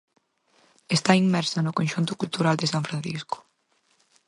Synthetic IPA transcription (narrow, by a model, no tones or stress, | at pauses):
est̪aimmɛɾsanʊkõnʲʃunt̪ʊkult̪uɾald̪esaɱfɾan̟θisko̥